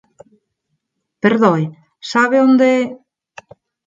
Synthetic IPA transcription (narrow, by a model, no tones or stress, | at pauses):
peɾðoj | saβeond̪e